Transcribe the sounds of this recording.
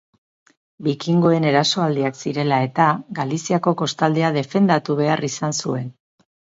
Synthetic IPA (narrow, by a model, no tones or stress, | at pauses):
bikiŋɡo̞e̞ne̞ɾaso̞ald̪iaksiɾe̞lae̞t̪aɡalisiako̞ko̞st̪ald̪eað̞e̞fe̞nd̪at̪uβ̞e̞arisansue̞n